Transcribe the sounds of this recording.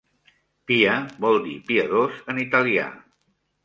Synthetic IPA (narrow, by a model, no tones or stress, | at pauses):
piəbɔlˠd̪ipiəðozənit̪əlia̰